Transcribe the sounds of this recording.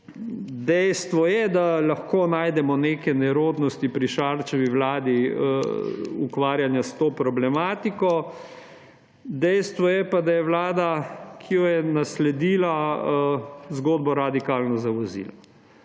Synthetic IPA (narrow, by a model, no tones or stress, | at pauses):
d̪ɛjst̪ʋɔjɛd̪alaxkoːnaːjd̪ɛmɔneːkɛnɛɾoːd̪nɔst̪ipɾiʃaɾt͡ʃɛʋiʋlaːd̪i | ukʋaːɾjanjast̪oːpɾɔblɛmaːt̪ikɔ | d̪ɛjst̪ʋɔjɛpad̪ajɛʋlaːd̪akʰijɔjɛnaslɛd̪iːla | zɡoːd̪bɔɾad̪ikaːlnɔzaʋɔzḭːlɔ